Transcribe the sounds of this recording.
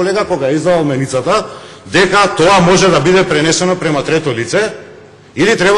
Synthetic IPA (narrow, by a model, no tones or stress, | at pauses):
ɔlɛɡakɔɡajaizd̪ad̪alˠmɛnit̪sat̪a | d̪ɛkat̪ɔamɔʒɛd̪abid̪ɛpɾɛnɛsɛnɔpɾɛmat̪ɾɛt̪ɔlit̪sɛ | ilit̪ɾɛba